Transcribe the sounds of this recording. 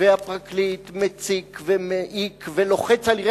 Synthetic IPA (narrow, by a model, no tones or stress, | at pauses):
eapʁaklit̪met͡sivemeʔikvelo̞χet͡saliʁe